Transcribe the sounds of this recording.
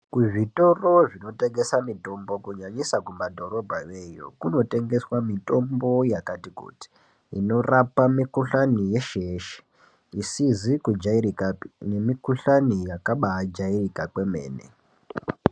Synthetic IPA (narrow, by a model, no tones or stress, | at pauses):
kuʐito̞ro̞ʐino̞te̞ŋɡe̞samito̞mbo̞kuɲaɲisakumbadʱo̞ɾo̞bʱaje̞jo̰kuno̞te̞ŋɡe̞swamito̞mbo̞jakatikṵti̥ | ḭno̞rapamikuɬanije̞ʃeʃe̥ | isizikud͡ʒairikane̞mikuɬanijakaɓaad͡ʒairikakwe̞mḛːnḛ